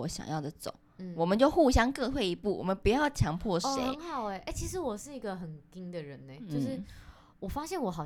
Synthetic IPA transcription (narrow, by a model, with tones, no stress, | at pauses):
ɔ˨˧˦ɕjɑ̰˨˩ŋjɑ˥˩ʊd̪ə˨˩t͡so̰˨˩˦ʊn̩˥˩wɔ˨˩mə˨˦nt͡ɕjo˥˧ʊxu˥˩ɕjɑ˥ŋkɤ˥˧twe˥˩ɪi˧˥pu˥˩wʔɔ̰˨˩mə˨˦npu˨˧jɑ˥˩ʊt͡ɕʰjɑ˧˥ŋpʰwɔ˥˩ʂḛ˨˧˦ɪɪ˦ŋxɑ˨˩ʊe˧˩ʔe˥˩t͡ɕʰi˧˥ʂ̬ɻ̩˧˥wɔ˨˩ʂɻ̩˥˩i˧˥ɡə˧xə˨˩nki˦˥ŋd̪ə˨ɻə˧˦ne˧˩t͡ɕjo˥˧ʊ˥ʂɻ̩˥˩ | wɔ˨˩fa˥ɕjɛ˥˩nwɔ˨˩xɑ˨˩